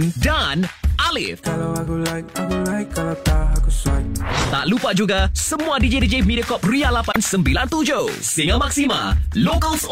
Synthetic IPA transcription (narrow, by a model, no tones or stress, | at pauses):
ndanʔalɪ̰fkalawakulaikakulaikkːalawt̪aɦakusuat̪a̰ʔlupad͡ʒuɡasəmuadid͡ʒedid͡ʒemidəkɔp̚rialapansəmbilant̪ud͡ʒo | siŋamak̚sima̰lokəls